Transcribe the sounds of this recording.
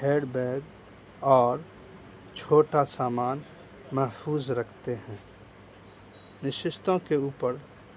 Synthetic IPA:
heːɽbɛːɡ | ɔːɾ | t͡ʃʰoːʈasaːmaːn | mɛɦfʰuːzɾəkʰt̪eɦɛ̃ː | nɪʃɪʃt̪õkeuːpəɾ

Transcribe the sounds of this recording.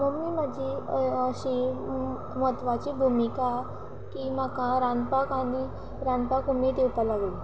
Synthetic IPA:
məɡmimad͡ʑiəɕi | mət̪ʋat͡ɕibʱumika | kimakãɾanpakani | ɾanpakumit̪ewpalaɡli

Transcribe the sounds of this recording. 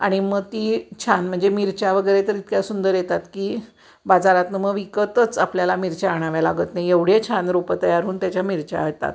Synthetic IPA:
a̰ɽ̃iməɡ̚t̪it͡ɕʰanm̤əɳd͡zemiɾt͡ɕaʋəɡəjɾet̪əɾit̪kjasund̪əɾjet̪at̪kiː | bad͡zaɾat̪nəməɡʋikət̪ət͡sapljalamiɾt͡ɕaːɽ̃aʋjalaɡət̪najeʋɽ̤jet͡ɕʰanɾopət̪əjaɾuːnt̪jat͡ɕjamiɾt͡ɕa̰ɦət̪a̰t̪

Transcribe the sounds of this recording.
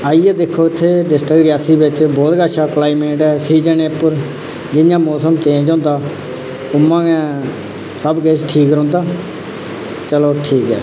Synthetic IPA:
aːiɛːd̪ɪkʰːoːɪt̪ʰːeːɖɪsʈəɡɾiaːsiːbɪt͡ʃbɔːt̪ɡaːʃaːklaːimeːʈɛːsiːd͡ʒəneːpʊɾ | d͡ʒɪjãːmɔːsəmt͡ʃẽːd͡ʒɦõːnd̪aː | ʊmːãːɡɛ̃ː | səbɡeːt͡ʃʈʰiːkɾõːnd̪aː | t͡ʃəloːʈʰiːkɦɛ̰ː

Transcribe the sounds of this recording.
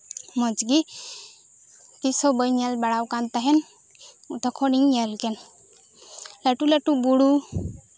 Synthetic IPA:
mɔd͡ʒɡi | t̪isɔbəjɲalbaɽawkant̪aɦɛn | ut̪ʰakʰɔniŋaɾlkɛn | laʈulaʈubuɽu

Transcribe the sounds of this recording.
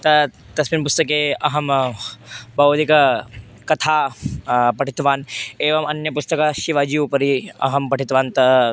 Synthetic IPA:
t̪ɐ | t̪ɐsminpʊst̪ɐk̬eːɐɦɐm | bɐʋwd̪ikɐ | kɐt̪ʰaː | pɐʈʰit̪ʋaːneːʋɐmɐnjɐpust̪ɐkaʃiʋaːd͡ʒiupɐɾiɐ̰ɦɐmpɐʈit̪ʋaːnt̪ɐ

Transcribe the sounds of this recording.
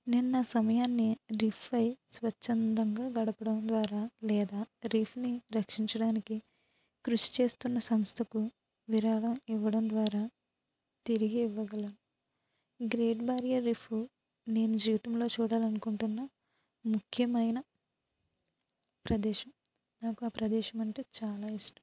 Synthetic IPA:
ninːaːsɐmɐjaːnːiɾipʰʋɐjsʋɐt͡ʃːɐnd̪ɐŋɡaːɡɐɽɐpɐɽɐmd̪ʋaːɾaːlɛːd̪aːɾiːpʰniɾɐkʂiɲt͡ʃɐɽaːniki | kɾuʂi̥t͡ʃe̞ːst̪unːɐsɐmst̪ʰɐku | ʋiɾaːɽɐmiʋːɐɽɐmd̪ʋaːɾaː | t̪iɾiɡiːʋːɐɡɐlɐnu | ɡɾeːʈbaːɾijɐːiːpʰu | ne̞ːnud͡ʒiːʋit̪ɐmlo̞ːt͡ʃuːɽaːlɐnukuɳʈunːɐ | mukʰjɐmɐjnɐ | pɾɐd̪ɛːʃɐm | naːkuaːpɾɐd̪ɛːʃɐmɐɳʈe̞ːt͡ʃaːlaːisʈɐ̥m

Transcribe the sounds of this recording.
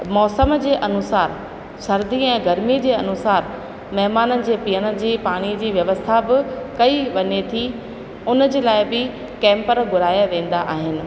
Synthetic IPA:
mɔːsəmd͡ʑeːʔɐnʊsaːɾ | ʃɐɾd̪iɛ̃ːɡɐɾmid͡ʑeːɐnʊsaːɾ | mɐɦmaːnənɪ̆d͡ʑeːpijəɽ̃ə̆d͡ʑiːpaːɽ̃id͡ʑiːʋjɐʋəst̪ʰabɪkɐiʋɐɲet̪ʰi | ʊnəd͡ʑeːlaːɪbɪ | kɛ̃ːmpəɾɡʊɾaːjaʋẽːn̆d̪aʔaːɦɪnɪ̆

